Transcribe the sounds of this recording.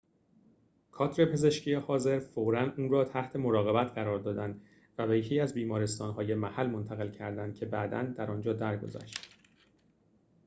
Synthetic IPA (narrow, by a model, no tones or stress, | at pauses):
kʰɒːt̪ʰɾe̞pʰe̞ze̞ʃcʰijehɒːze̞ɾfoɾænuːnɾɒːt̪ʰæht̪ʰe̞mo̞ɾɒːɣe̞bæt̪ʰɢæɾɒːɾd̪ɒːd̪ænd̪ | væbæjecʰeæzbiːmɒːɾe̞st̪ɒːnhɒːje̞mæhælmo̞nt̪ʰæɣe̞lcʰæɾd̪ænd̪̥̚cʰe̞bæd̪æ̰nd̪æɾɒːnd͡ʒɒːd̪æɾɡo̞̰zæ̰ʃt̪